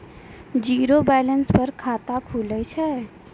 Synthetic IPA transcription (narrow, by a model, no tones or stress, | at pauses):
d͡ʒiɾobɛlənspəɾkʰat̪akʰulət͡ʃʰɛ